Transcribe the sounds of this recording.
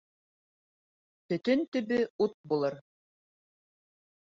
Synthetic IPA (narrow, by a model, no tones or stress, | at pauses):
t̪ɵ̆t̪ɵnt̪ɵ̆βɘut̪̚bulˠɤɾ